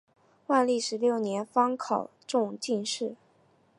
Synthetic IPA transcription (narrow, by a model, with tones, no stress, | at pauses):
wa˥˧nli˥˩ʂɻ̩˧˥ljo˥˩ʊnjɛ˧˥nfɑ˥ŋkʰɑ˨˩ʊʈ͡ʂʊ˥˧ŋt͡ɕi˥˧nʂɻ̩˥˩